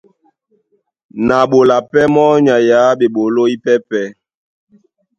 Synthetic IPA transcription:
na˨ɓo˨la˨pɛ˦mɔ˦ɲa˨ja˨˦ɓe˨ɓo˨lo˦i˦pɛ˦pɛ˦

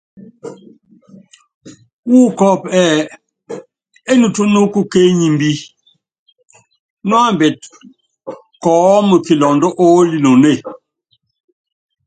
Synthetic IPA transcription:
wuː˦kɔ˨pɛː˨ | e˦nu˨tu˦nu˦ku˦ke˦ɲi˨m˦bi˦ | nwa˦˨m˨bɛ˨t̚ | kɔː˨˦mə˨ki˨lɔ˨ndɔ˦ʔo˦li˨no˨ne˦˨

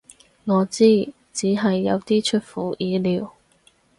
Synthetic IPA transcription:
ŋɔː˨˧t͡siː˥ | t͡siː˨˥ɦɐ˨jːɐ˨˧wt̪iː˥t͡ʃʰɵ˥t̚fuː˨˩jiː˨˧liː˨˧w

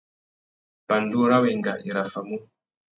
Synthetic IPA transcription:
pa˨ndu˦ɾa˦we˨ŋɡa˨ʔi˨ɾa˨fa˨mu˦

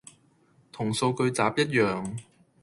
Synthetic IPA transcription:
t̪ʰʊ˨˩ŋso˧wkɵ˧ɥt͡saː˨˥p̚jɐ˥t̚jœː˨˩ŋ

